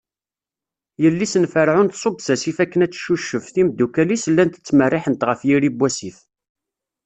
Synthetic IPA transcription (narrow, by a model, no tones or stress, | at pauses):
jəlːisənfəɾʕʊnt̪sˤobsæsifækːənæt͡sːʃuʃːəfθimd̪ːukælisəlːænt̪ə̥t͡sːmərːɪħənt̪ʁəfjiɾibːæsiθ